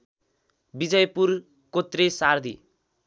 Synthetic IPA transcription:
bid͡zʌjpur | kot̪resard̪ʱḭ

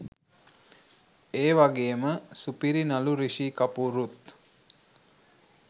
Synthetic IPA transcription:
eːʋaɡeːməsupiɾinaluɾiʃikapuɾut̪

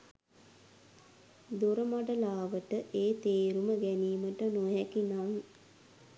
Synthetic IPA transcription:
d̪oɾəmaɖəlaːʋəʈəʔeːt̪eːɾuməɡɛniːməʈənoɦɛkinam

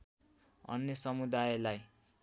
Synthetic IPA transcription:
ʌ̰nːjʌsʌmud̪ajelaj

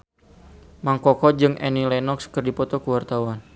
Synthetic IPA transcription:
maŋkɔkɔd͡ʒɨŋʔɛ̰nilɛnɔkskərdipɔt̪ɔkəwart̪awan

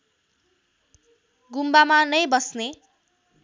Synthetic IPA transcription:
ɡumbamanʌjbʌsne

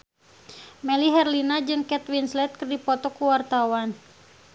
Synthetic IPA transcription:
mɛliɦɛrlinad͡ʒɨŋkɛt̪winslɛt̪̚kɨrdipɔt̪ɔkuwart̪awan

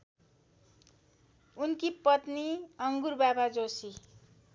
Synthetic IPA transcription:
unkipʌt̪niʌŋɡurbabad͡zosi

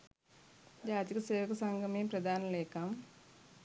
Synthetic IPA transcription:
d͡ʒaːt̪ikɐseːʋəkɐsaŋɡʱəmeːpɾɐd̪aːnɐleːkam

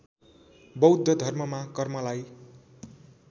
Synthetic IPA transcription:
bʌwd̪ʱːʌd̪ʱʌrmʌmakʌrmʌlaj

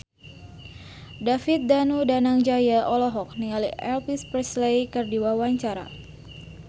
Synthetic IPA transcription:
dafit̪̚danudanaŋd͡ʒajaʔɔlɔɦɔk̚niŋaliʔɛlpispɛslejkərdiwawaɲt͡ʃaɾa̰

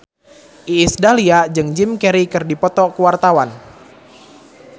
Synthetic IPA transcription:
ʔiːsdaliad͡ʒɨŋd͡ʒimkɛɾikɨrdipɔt̪ɔkuwart̪awan

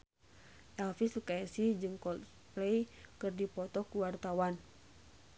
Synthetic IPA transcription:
ʔɛlfisukajasihd͡ʒɨŋkɔl | plɛjkɨrdipɔt̪ɔkuwart̪awan

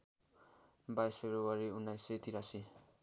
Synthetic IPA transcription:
bajspʰebɾuwaɾiunːajset̪iɾasi

